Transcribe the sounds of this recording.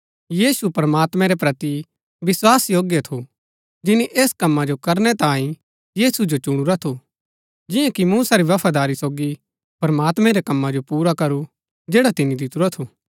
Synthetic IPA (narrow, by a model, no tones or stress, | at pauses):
jiːsupɾɐmaːt̪mɛ̃ɾepɾɐt̪i | ʋɪswaːsjoːɡjɐt̪ʰo | d͡ʒɪniʔeːskɐmːad͡ʒokɐɾnɛt̪ãːĩ | jiːsud͡ʒot͡ʃʊɽ̃uɾat̪ʰo | d͡ʒɪ̃jãkimuːsaɾiʋɐpʰad̪aːɾisoːɡi | pɾɐmaːt̪mɛ̃ɾekɐmːad͡ʒopuːɾakɐɾu | d͡ʒeːɽat̪ɪnid̪ɪt̪uɾat̪ʰoː